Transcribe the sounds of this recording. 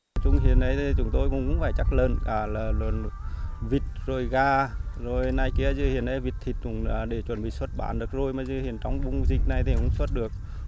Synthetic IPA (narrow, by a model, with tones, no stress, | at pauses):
t͡ɕʊ˧ŋ͡mhḭ˨ənʔə˨˦jt̪ʰi˧t͡ɕʊ˨˧˦ŋ͡mt̪o˧jkʊ̰˧˥ŋ͡mkʊ̰˧˥ŋ͡mfaː˧˩jt͡ɕa˦˥k̚ləː˨˩nkaː˧˩laː˨˩lə˨˩nvi˨˩t̚zo˨˩jɣaː˧˩zo˨˩jna˧˩jki˧˩əzɨ˧hi˧˨ənʔə˧˦jvi˨˩t̚t̪ʰi˨˩t̚kʊ˧˩ŋ͡mːɗe˧˩t͡ɕwə˧˩nɓḭ˧˨swə˦˥t̚ɓa̰ː˧˩nɗɨ˨˩ək̚zo˨˩jmaː˨˩zɨ˧hi˨˧˨ənt͡ɕɔ˨˧˦wŋ͡mɓʊ˧ŋ͡mzï˨˩k̟̚na˨˩jt̪ʰi˧˩kʊ̰˧˥ŋ͡mswə˦˥t̚ɗɨ˨˩ək̚